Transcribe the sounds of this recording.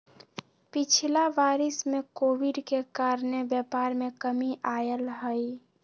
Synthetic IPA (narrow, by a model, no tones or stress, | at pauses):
pɪt͡ʃʰilaʋaːɾɪsmẽkoːʋiɖkekaːɾnebjɛpaːɾmẽkəmiʔaːjəlɦəj